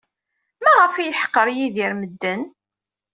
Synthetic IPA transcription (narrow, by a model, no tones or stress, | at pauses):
mæʁəfijəħə̥qːəɾjiðiɾməd̪ːən